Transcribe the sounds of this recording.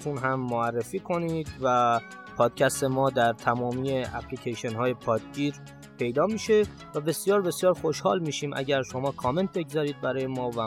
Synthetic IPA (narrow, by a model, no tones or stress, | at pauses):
t̪ʰunɦæmːoærːefiːkʰo̞niːd̪væ | pʰɒːd̪̥cʰæst̪e̞mɒːd̪æɾt̪ʰæmɒːmiːeʔæpʰlicʰejʃenhɒːje̞pʰɒːd̪̥̚ɟiːɾ | pʰe̞jd̪ɒːmiːʃe̞ | væbe̞sjɒːɾbe̞sijɒːɾxo̞ʃhɒ̰ːlmiːʃiːmʔæ̰ɟæɾʃo̞mɒːkʰɒːme̞nt̪̚ʰbe̞ɡzɒːɾiːd̪̚bæɾɒːjemɒːvæ